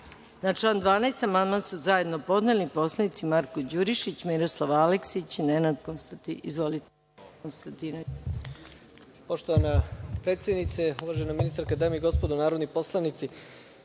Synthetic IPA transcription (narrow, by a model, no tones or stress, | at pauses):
nat͡ʃlˠand̪ʋaːnaest̪amand̪mansuzaje̞d̪no̞po̞d̪ne̞lipo̞slˠanit̪simaɾkod͡ʑuɾiʃit͡ɕmiɾoslˠaʋaleksit͡ɕinenad̪konst̪izʋolit̪ | nst̪ant̪ina | po̞ʃt̪oʋanapɾeːt̪sjed̪nit̪seuʋaːʒenaminist̪aɾkad̪aːmeiɡo̞spod̪unaːɾod̪niposlˠanit̪si